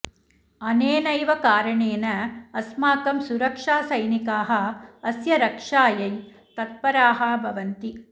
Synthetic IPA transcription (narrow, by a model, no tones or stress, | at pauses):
ɐneːnɐjʋɐkaːɾɐɳeːnɐːsmaːkɐmsuɾɐkʂaːsɐjnikaːɦɐːsjɐɾɐkʂaːjɐj | t̪ɐt̪̚pɐɾaːɦɐbʱɐʋɐnt̪i